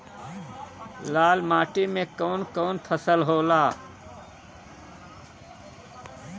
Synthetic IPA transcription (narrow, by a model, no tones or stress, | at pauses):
laːlmaːʈimekɔːnkɔːnpʰəsəlɦoːla